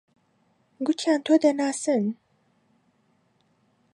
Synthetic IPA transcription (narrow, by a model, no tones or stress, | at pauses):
ɡutʰant̪ʰod̪enasɨn